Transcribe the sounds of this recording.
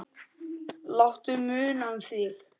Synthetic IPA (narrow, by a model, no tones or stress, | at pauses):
lawht̪ʏmʏːnanθjɛx